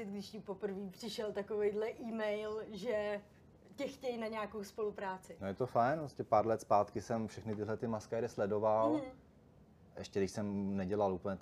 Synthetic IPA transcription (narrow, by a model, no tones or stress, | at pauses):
ɪt̪ɡdɪʃɲipopr̩viːpr̝̥ɪʃɛlt̪akovejdlɛʔiːmɛjlʒɛ | cɛxcɛjnaɲɛaːkowspo̞lupɾaːt͡sɪnojɛt̪ofajnpɾoscɛpaːɾlɛt̪spaːt̪kɪsɛmfʃɛxnɪt̪ɪɦlɛt̪ɪmaskɛːɾɪslɛdo̞val̩ | ʔɛʃcɛdɪʃsɛmnɛɟɛlalʔuːpl̩ɲɛt̪